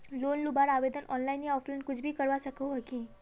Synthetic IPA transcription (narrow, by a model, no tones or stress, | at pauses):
lonlubaɾaʋed̪ənʔɔnlainjaɔflonkud͡ʑʰbʱiːkəɾʋasəkʰəɦəki